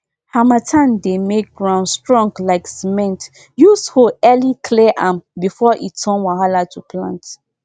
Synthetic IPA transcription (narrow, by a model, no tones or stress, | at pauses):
hamatʰãndemek̚ɡɹãʊ̃nstɹɔ̃ŋɡlaɪksimɛ̃nt | jushoɛlikʰlɛʔãmbifɔʔitʰɔ̃nwaɦalatʰupʰlã̰nt